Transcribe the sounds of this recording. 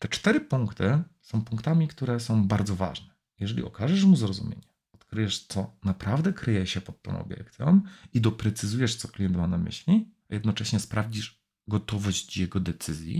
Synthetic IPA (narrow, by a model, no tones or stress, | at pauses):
t̪ɛt͡ʂt̪ɛɾɘpuŋkt̪ɘsɔ̃w̃pũŋkt̪amʲikt̪uɾɛsɔ̃w̃baɾd̪zɔva̰ʐnɛ | jɛʐɛlʲḭɔkaʐɛʂmuzɾɔzumʲjḛɲɛ | ɔt̪kɾɘjɛʂt̪sɔnapɾavd̪ɛkɾɘjɛɕɛpɔt̪ːɔ̰̃w̃ɔ̰bʲjɛ̰kt̪sʲjɔ̃mid̪ɔpɾɛt̪sɘzujɛʂt̪sɔklʲijɛnt̪manamɘ̰ɕlʲia̰jɛd̪nɔt͡ʂɛɕɲɛspɾavd͡ʑiʂ | ɡɔt̪ɔvɔʑt͡ɕjɛɡɔd̪ɛt̪sɘzʲjḭ